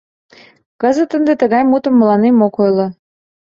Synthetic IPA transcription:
kəzə̆t̪ːənd̪et̪əɣɑjmut̪ə̆mːə̆lɑnemokojlŏ

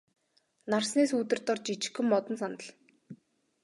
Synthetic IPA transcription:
narsneːsuːt̪ɘ̆rt̪ɔrt͡ɕit͡ɕɪ̥̆xɵ̆mːɔt̪ɞ̆nsant̪ə̆ɮ

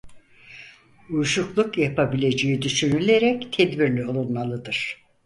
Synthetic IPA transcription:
ujʃuklˠukjapʰabilʲe̞d͡ʒejid̪yʃynylʲeɾɛct̪ʰɛd̪biɾlʲio̞lˠunmalˠɯd̪ɯɾ̥

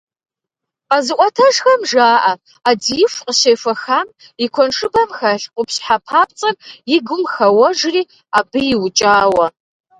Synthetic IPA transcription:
qazɨqʷʼɔtʰɐʐxɐmʐaːʔɐ | adiːɪfqəɕeːfɐxaːm | ɪkʷʰɔnʂʼɨbɐmxɐɬqʷʊpɕħapʰaːp̚t͡sʼɐrjɪɡʷʊmxɐwɐʒriː | abɨjɪwʊt͡ʃʼaːwɐ

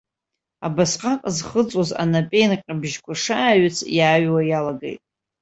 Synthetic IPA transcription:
a̰basqʼaqʼzχət͡sʼoza̰napʼejnqʲʼabʒkʷʰaʂaːɥɪt͡sʰjaːɥwajalaɡḛjtʼ

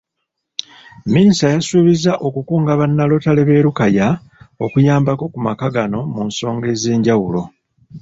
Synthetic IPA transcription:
minisajasuːβizaʔo̞kukuːŋɡaβanːalo̞tale̞βe̞ːɾukaja | o̞kujaːmbako̞kumakaɡano̞munso̞ːŋɡe̞ːze̞ːɲɟawulo̞

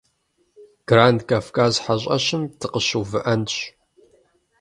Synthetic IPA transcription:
ɡ̥raːndkʰaːfkʰaːzħaɕʼɐ̰ɕɪmtʰɨqəɕuːvɨʔɐnɕ

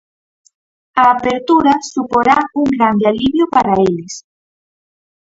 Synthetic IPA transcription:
aːpeɾt̪uɾasupoɾauŋɡɾand̪ealiβjopaɾaelɪs

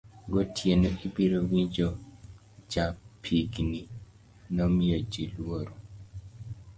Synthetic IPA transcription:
ɡotʰjenoʔipiɾowiɲd͡ʒo | d͡ʒapʰiɡni | nɔmiod͡ʒilwoɾo

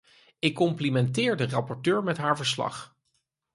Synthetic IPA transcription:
ɪkːɔmplimɛntɪːɹdərɑpɔɹtøːɹmɛtɦaːɹvəɹslɑ̰χ

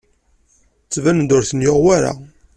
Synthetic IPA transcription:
t͡sːvænd̪ʊɾθənjoʁwaɾa̰

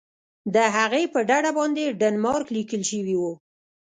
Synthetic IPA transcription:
d̪əɦaɣepəɖaɽabɑnd̪eɖanmɑɾklikəlʃəwiwu

